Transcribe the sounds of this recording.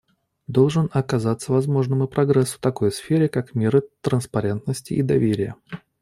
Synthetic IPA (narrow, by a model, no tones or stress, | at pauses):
d̪o̞lˠʐɨnɐkɐzat̪sːəvɐzmo̞ʐnɨmɪpɾɐɡɾɛsːʊ̥t̪ɐko̞jsfʲeɾʲɪkakmʲeɾɨt̪ɾənspɐɾʲe̞nt̪nəsʲtʲɪ̰id̪ɐvʲeɾʲɪjə̰